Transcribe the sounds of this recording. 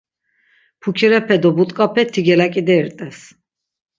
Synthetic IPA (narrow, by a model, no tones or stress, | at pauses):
pʰukʰiɾɛpʰɛd̪ɔbut̪ʼkʼapʰɛt̪ʰiɡɛlakʼid̪ɛɾt̪ʼɛs